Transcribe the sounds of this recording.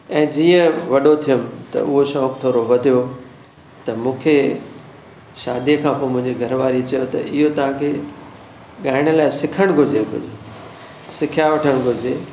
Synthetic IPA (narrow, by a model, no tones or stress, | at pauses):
ɛ̃ːd͡ʑiːə̃ʋɐɗot̪ʰijəmt̪ɐ̰ʊɦoʃɔːkt̪ʰoːɾoʋɐd̪ʱijo | t̪ɐmũːkʰe | ʃaːd̪iekʰãːpoːmʊ̃ɦɪ̃ɲd͡ʑiɡʱɐɾʋaːɾit͡ɕɐjot̪ɐʔɪɦot̪ɐʋ̤ãkʰeː | ɠaːɪɽ̃ɪlaːɪsɪkʰəɽ̃ɡʱʊɾd͡ʑeɡʱʊ̰d͡ʑe | sɪkʰjaʋɐʈʰəɽ̃ɡʱʊɾd͡ʑe